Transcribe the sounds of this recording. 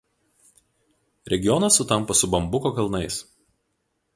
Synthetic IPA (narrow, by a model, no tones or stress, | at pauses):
ɾʲɛɡʲɪjɔnɐsːʊt̪ɐmˑpɐsʊbɐmbʊkokɐlˠnɐɪs